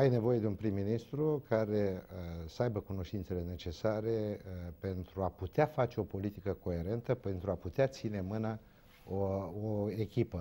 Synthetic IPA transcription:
ajne̞vo̞je̞d̪eunpɾimːinist̪ɾukaɾe̞səajbəkuno̞ʃt̪int̪se̞le̞ne̞t͡ʃe̞saɾe̞pe̞nt̪ɾuaput̪eafat͡ʃe̞o̞po̞lit̪ikəko̞e̞ɾe̞nt̪əpe̞nt̪ɾuaput̪eat̪sine̞mɨnə | ooekʲipə

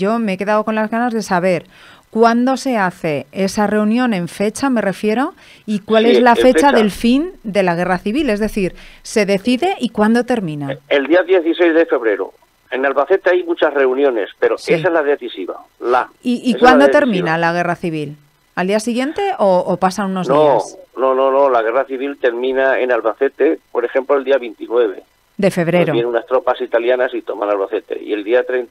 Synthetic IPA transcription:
o̞meeke̞ðaðoko̞nlazɣanazðe̞saβ̞e̞ɾ | kwand̪o̞se̞aθe̞esare̞unjõ̞ne̞ɱfe̞t͡ʃame̞re̞fje̞ɾo̞ | ikwale̞zlae̞t͡ʃaðe̞lfind̪e̞laɣ̞e̞raθiβile̞zðe̞θiɾse̞ðe̞θiðe̞ʔikwand̪o̞t̪eɾmĩnaeld̪iaðje̞θisejzðefe̞βɾe̞ɾo̰ | enalβaθe̞t̪eajmut͡ʃasre̞unjõ̞nespe̞ɾoesaezlaðeθisiβa̰ | laiikwand̪ot̪eɾmĩnalaɣ̞e̞raθiβ̞il | ald̪iasiɣje̞nt̪e̞ʔoʔopasauno̞zðnoasno̞no̞nõ̞laɣe̞raθiβilt̪e̞ɾmĩnaḛnalβaθe̞t̪e̞po̞ɾexẽ̞mploeld̪iaβint̪inwe̞βe̞̰ | d̪e̞fe̞β̞ɾeɾoβjenunast̪ɾopasit̪aljanasit̪o̞manalβaθet̪e̞̰ḭe̞ld̪iat̪ɾen

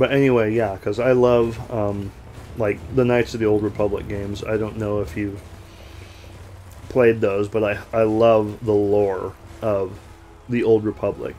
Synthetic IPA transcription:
b̥ʌɾɛniweɪjækʰʌzaɪlʌvʌ̃m | laɪk̚ðənaɪtsʌvðioʊlˠd̚ɹɨpʰʌblə̰k̚ɡ̥ẽɪ̃mza̰ɪɾõʊ̃nːoʊɨfjʉv̥ | pʰl̥eɪd̪̚ðoʊzbʌɾaɪaɪlʌvðəlɔɹʌv | ðioʊlˠd̚ɹɨpʰʌblɪ̰k

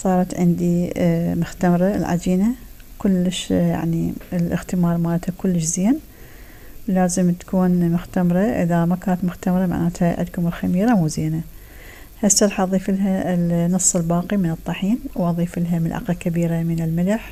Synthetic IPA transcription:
sˤɑːɾˤɑt̪ʕɪnd̪imʊxt̪amɾˤalʕa̰d͡ʒiːnakʊlːɪʃja̰ʕniɪlʔɪ̰xt̪ɪmɑːɾˤmaːlat̪ʰhakʊlːɪʃziːn | laːzɪmt̪ḁkuːnmʊxt̪amɾˤɑʔɪ̰ðamakaːnat̪mʊxt̪amɾˤɑma̰ʕʔaːt̪haʕɪ̰d̪kʊmɪlxamiːɾamuziːna | hasɑɾˤħɑʔɑðˤiːfɪlɦalnːɨsˤːɨlbɑːqimɪnɨt̪ˤːɑħiːnwʔɑðˤiːfɪlɦamɪlʕa̰qakabiːɾamɪnɪlmɪlaħ

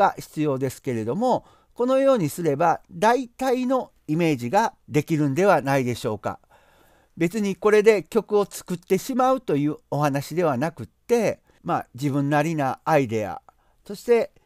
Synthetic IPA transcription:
açi̥t͡sɨjo̞ːd̪e̞sɨ̥ke̞ɾe̞d̪o̞mo̞ | ko̞no̞jo̞ːɲ̟isɨɾe̞bad̪ait̪aino̞ | ime̞ːʑiɡad̪e̞kʲiɾɯ̟̃nd̪e̞βanaid̪e̞ɕo̞ːka̰ | be̞t͡sɨɲ̟iko̞ɾe̞d̪e̞kʲo̞kɯ̟o̞t͡sɨ̥kɯ̟t̪ːe̞ɕimaɯ̟t̪o̞jɯ̟ːo̞ɦanaɕid̪e̞β̞anakɯ̟t̪ːe̞ | mad͡ʑibɯ̟̃nːaɾʲinaːid̪e̞a̰ | so̞ɕi̥t̪e̞

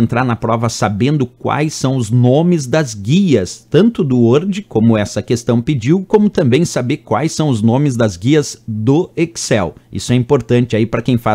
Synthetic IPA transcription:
ẽnt̪ɾaɾnɐpɾɔvɐsabẽnd̪ʊkwa̰jsːɐ̃w̃ʊznõmɪzd̪ɐzɡiɐst̪ɐ̃nt̪ʊd̪ʊoɾd͡ʒɪkõmʊɛsɐkest̪ɐ̃w̃ped͡ʒiwkõmʊt̪ɐ̃mbẽj̃sabeɾkwajsːɐ̃w̃ʊznõmɪzd̪ɐzɡiɐzd̪ʊeksɛwḭsʊɛĩpoɾt̪ɐ̃nt͡ʃɪaipɾɐkẽj̃fa

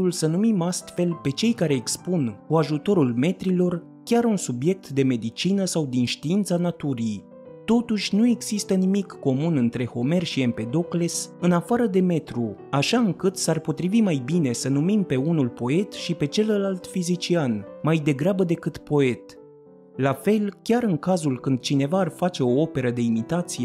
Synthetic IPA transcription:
ulsənumimast̪fe̞lpe̞t͡ʃe̞jkaɾe̞ːkspunkuaʒut̪o̞ɾulme̞t̪ɾilo̞r | kʲaɾunsubje̞k̚t̪d̪e̞me̞d̪it͡ʃinəsawd̪inʃt̪iint̪sanat̪uɾij | t̪o̞t̪uʃʲnue̞ɡz̥ist̪ənimikːo̞munɨnt̪ɾe̞ho̞me̞rʃie̞mpe̞d̪o̞kle̞sɨnafaɾəd̪e̞me̞t̪ɾuaʃaɨŋkɨt̪sarpo̞t̪ɾivimajbine̞sənumimpe̞unulpo̞e̞t̪ʃipe̞t͡ʃe̞ləlalt̪fizit͡ʃianmajd̪e̞ɡɾabəd̪e̞kɨt̪po̞e̞t̪ | lafe̞lkʲaɾɨŋkazulkɨnd̪̥̚t͡ʃine̞vaːrfat͡ʃe̞o̞ope̞ɾəd̪e̞imit̪at̪sije̞

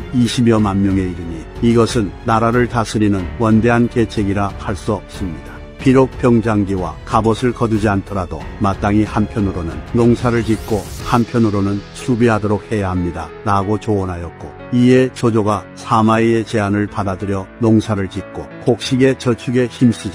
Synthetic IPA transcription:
iɕʰibjʌmanmjʌŋe̞iɾɯɲiiɡʌsʰɯnːaɾaɾɯɭtasʰɯɾinɯnwʌnde̞ɦanke̞t͡ɕʰeɡiɾahaɭs͈ʌs͈ɯmɲid̥ḁ | piɾok̚p͈jʌŋd͡ʑaŋɡiwakabʌsʰɯɭkʌdud͡ʑiantʰʌɾado̰mat̚t͈aŋihanpʰjʌnɯɾonɯnːoŋsʰaɾɯɭkit̚k͈ohampʰjʌnɯɾonɯnsʰubiɦadoɾok̚he̞jaɦamɲida | ɾaɡot͡ɕoʌnɦajʌt̚k͈o | ie̞t͡ɕod͡ʑoɡa | sʰamaie̞t͡ɕe̞anɯɭpadadɯɾjʌnoŋsʰaɾɯɭkit̚k͈okok̚ɕ͈iɡe̞t͡ɕʌt͡ɕʰuɡe̞çims͈ʰid͡ʑa

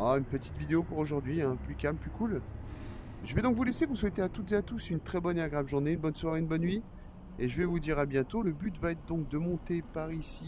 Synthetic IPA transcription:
aynpət̪i̥t̪vid̪eopuʁoʒuʁd̪ɥiɛ̃plykʲamplykul | ʒəvɛd̪ɔ̃kvulesevuswet̪eat̪ut̪zeat̪usynt̪χɛbɔneaɡʁavʒuʁneynbɔnswaʁeynbɔnvi | eʒəvɛvud̪iʁabjɛ̃t̪oləbyt̪vaɛt̪χd̪ɔ̃k̚d̪əmɔ̃t̪epaʁisi

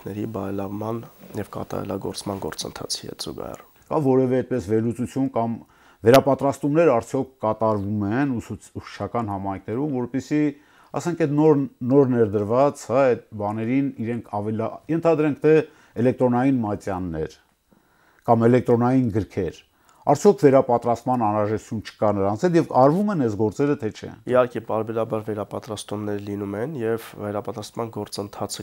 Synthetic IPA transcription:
nɛɾibɑɾɛlɑvmɑnjɛvkɑ̰t̪ɑ̰ɾɛ̰lɑɡɔ̰ɾt͡smɑnɡɔɾt͡sənt̪ʰɑ̰t͡sʰihɛ̰t̪z̥ṵɡɑ̰hɛ̰r | kɑvɔɾɛvɛːt̪̚pɛsvɛɾlut͡sut͡sʰjunkɑm | vɛɾɑpɑt̪ɾɑst̪umnɛɾɑɾt͡sʰjɔkʰkɑt̪ɑɾvumɛnuuʃə̥t͡ʃʰɑkɑnhɑmɑjŋkʰnɛɾumvɔɾpɛsi | ɑ̰sɛŋkʰɛt̪nɔɾnɔɾnɛɾd̪əɾvɑt͡shɑɛt̪̚bɑnɛɾiniɾɛŋkʰɑvɛljɛnt̪ʰɑd̪ɾɛŋk̚ʰt̪ʰɛ | ɛlɛk̚t̪ɾɔnɑjinmɑt͡sjɑnːɛ̰ɾ | kɑmɛlɛk̚t̪ɾɔnɑjinɡəɾkʰɛɾ | ɑɾt͡sʰjɔkʰvɛɾɑpɑt̪ɾɑst̪mɑnɑnɾɑʒɛt̪u̥t͡sʰunt͡ʃʰə̥kɑnəɾɑnt͡sʰɛljɛvɑɾvumɛnɛzɡɔɾt͡sɛɾət̪ʰɛt͡ʃʰɛ̰ihɑɾkɛpɑɾbɛɾɑbɑɾvɛɾɑpɑt̪ɾɑst̪umnɛɾlinumɛnjɛvvɛɾɑpɑt̪ɾɑst̪mɑnɡɔɾt͡sənt̪ʰɑt͡sʰə

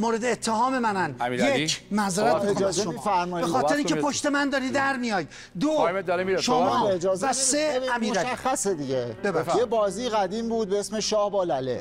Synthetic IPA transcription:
moːɾed̪eːt̪ʰːehɒːme̞mænænjemæzɾæt̪ɒzeifæɾmɒjbexɒːt̪ʰeɾeiŋŋʰt͡ʃʰepoʃt̪emænd̪ɒːɾiːd̪æɾmijɒːjd̪ | d̪od̪ɒɾimiʃomɒːed͡ʒɒːzvæsseæmiːɾæʃæxːæsed̪iɟebeɾjebɒːziːɣæd̪iːmbuːd̪̚beesmeʃɒːhbɒːlælḛ

